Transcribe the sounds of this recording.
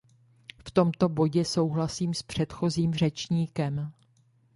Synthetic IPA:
ft̪o̞mt̪o̞bo̞ɟɛso̞wɦlasiːmspr̥ɛt̪xo̞ziːmr̝ɛt͡ʃɲiːkɛm

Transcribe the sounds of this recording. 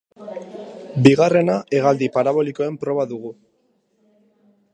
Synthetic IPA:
biɣare̞nae̞ɣald̪ipaɾaβo̞liko̞e̞mpɾo̞βaðuɣ̞u

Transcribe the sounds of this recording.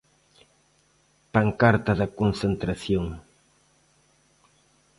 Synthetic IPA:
paŋkaɾt̪aðakonsent̪ɾasjoŋ

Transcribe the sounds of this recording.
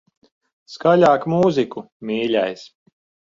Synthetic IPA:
skalʲaːkmuːziku | mʲiːlʲajs

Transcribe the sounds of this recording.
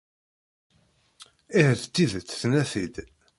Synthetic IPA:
ihəθt͡s̪ːiðət͡sːθnæθid̪

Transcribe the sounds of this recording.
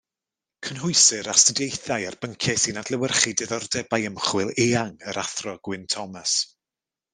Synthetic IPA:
kʰənɦʊjsɨɾastədejθajarb̥əŋkʰjɛsiːnadlˠəwərχidɛðɔrdɛbajəmχwɪlˠeːaŋəɾʔaθrɔɡ̥wɪntʰɔmas

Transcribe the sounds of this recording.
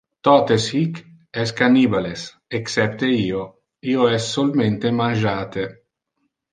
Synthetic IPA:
t̪ɔːt̪eshik | ɛskaniːbales | eksɛp̚t̪eiːo | iːoɛsːolment̪emanʒaːt̪e

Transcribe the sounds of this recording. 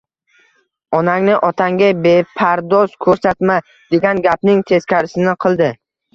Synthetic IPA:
ɒnaŋnɪʔɒt̪ʰaŋɡʲabepʰaɾd̪ɒzkʰɵɾsat̪ma | d̪̥e̞ɡʲanɡʲap̚nɪŋt̪ʰe̞skʲʰaɾɪsɪnɪqʰɨlˠd̪ɪ

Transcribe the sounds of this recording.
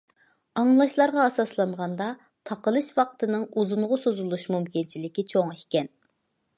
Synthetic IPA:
ɑŋlˠɑʃlˠɑɾʁɑɑsɑslˠɑɴʁɑnd̪ɑ | t̪ʰɑqəlˠɨʃwɑqt̪ʰɨnɨŋuzunʁʊsozulˠuʃmumkʲint͡ʃʰilɪkʲit͡ʃʰoŋiʃkʲɛn

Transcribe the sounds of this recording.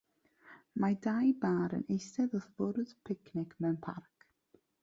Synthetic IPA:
madajbaːɾə̰nejsɛðɔθv̥ʊɾð̥pʰɪkʰnɪkʰmɛwnpʰa̰rk

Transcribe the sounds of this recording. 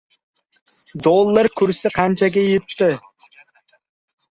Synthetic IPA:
d̪olˠːəɾkʲʰʊɾsɪqʰɑnt͡ʃaɡ̬ʲejɯt̪ːɪ

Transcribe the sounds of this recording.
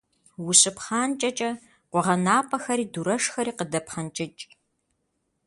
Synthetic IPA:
wʊɕʼɨpχaːnt͡ʃʼɐt͡ʃʼɐ | qʷɔʁɐnaːpʰʼɐxɐɾiːduɾɐʂxɐɾiːqədɐpχɐnt͡ʃʼɪt͡ʃʼ

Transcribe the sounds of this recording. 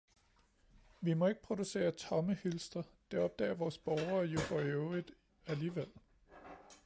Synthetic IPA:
ʋimɒ̽e̝ɡ̥ə̥pʰʁo̝d̥use̝̰ːɐt͡sʰɒ̽məhylsd̥ɐd̥eɒ̽b̥̚d̥ɛ̰ːɐʋɒːsb̥ɒʊɐjo̝fɒeʊid̥ˠ | æliːʋel̰

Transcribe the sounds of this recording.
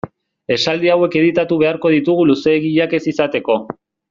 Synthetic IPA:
e̞sald̪iawe̞ke̞ð̞it̪at̪uβ̞e̞aɾko̞ð̞it̪uɣuluse̞ːɣiʎake̞sisat̪e̞ko̞

